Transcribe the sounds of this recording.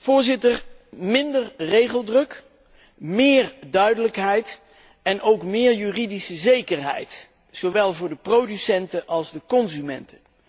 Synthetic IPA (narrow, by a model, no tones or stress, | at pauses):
v̥ʊːɹzɪtəɹmɪndərrejχəlˠdrɵk | mɪːɹdœɥdələkɦɛjt | ɛnʔowkmɪːɹjyːridisəzejkəɹɦɛ̰jt | soʋɛlˠvʊːɹdəprowdysɛntəʔɑlˠzdəkɔnzymɛ̰ntən